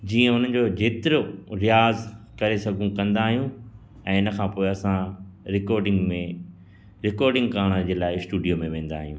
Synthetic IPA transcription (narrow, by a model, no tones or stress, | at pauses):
d͡ʑiːə̃ʊn̤ən̆d͡ʑod͡ʑeːt̪ɪɾoɾɪjaːzkɐɾesɐɡʱũkɐ̃nd̪aːɦijũ | ɛ̃ːɪnə̆kʰãːpoːeɐsãɾɪkɔːɾɖɪ̃ŋɡmẽ | ɾɪkɔːɾɖɪ̃ŋɡkaːɽ̃əd͡ʑeːlaːɪsʈuːɖijomẽʋẽːn̆d̪a̰ːɦijũː